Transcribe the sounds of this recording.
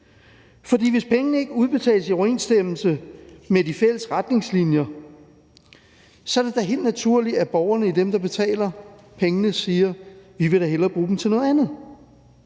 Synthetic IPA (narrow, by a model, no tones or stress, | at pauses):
fɒ̽d̥ḭːʋe̝spʰeŋənəe̝ɡ̥əuð̞ˠb̥e̝t͡sʰɛ̰ːləsiɒʊe̝̰ːnsd̥em̰l̩səmed̥ifel̰əsʁad̥ne̝ŋslinjɐ | sɒ̽dæɐd̥ɑ̈ɦe̝̰ld̥næt͡sʰuɐ̰liæb̥ɒʊɐnəid̥emd̥ɑ̈b̥e̝t͡sʰɛ̰ːlɐ | pʰeŋənəsiːɐʋiʋe̝ɾ̥ɑ̈ɦelɐb̥ʁuːd̥m̩t͡sʰe̝nɔ̽ð̩ˠænð̩ˠ